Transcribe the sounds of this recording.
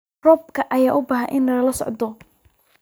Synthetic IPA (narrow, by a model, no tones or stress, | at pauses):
rɔb̚kʰɐʔɐjaːʔʊbaːɦɐnʔɪnɐlɐlɐsɔ̰ʕd̪ɔ